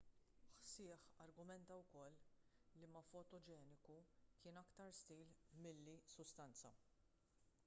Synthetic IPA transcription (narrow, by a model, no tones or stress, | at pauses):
ħsɪːħɐɾɡʊmɛnt̪ɐwkɔlːimɐfɔt̪ɔd͡ʒɛːnɪkukɪːnɐkt̪ɐɾst̪iːlmɪlːisʊst̪ɐnt͡sɐ̰